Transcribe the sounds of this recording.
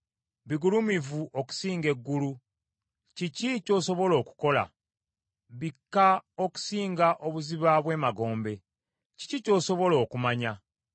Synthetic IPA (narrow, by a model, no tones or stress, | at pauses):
βiɡulumivuʔoku̥siːŋɡe̞ɡːulu | cicico̞ːso̞βo̞lo̞ːku̥ko̞la̰ | βikːaoku̥siːŋɡaʔo̞βuziβaβwe̞ːmaɡo̞ːmbe̞ | ci̥cico̞ːso̞βo̞lo̞ːkumaɲa